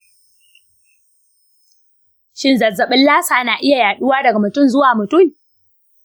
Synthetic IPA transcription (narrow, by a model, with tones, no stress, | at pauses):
ʃɪ˦nzɐ˨zɐ˨ɓɪ˦llaː˦saː˨naː˨ʔɪ˦ja˨jaː˨ɗʊ˦waː˦dɐ˨ɡa˨mʊ˨tʊ˦˨mzʊ˦waː˨mʊ˨tʊ˦˨m